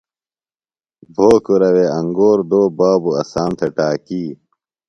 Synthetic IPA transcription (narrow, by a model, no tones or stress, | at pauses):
bʱoːkuɾɐweɐŋɡoːɾd̪oːbaːbuɐ̰saːnt̪ʰeʈaːkiː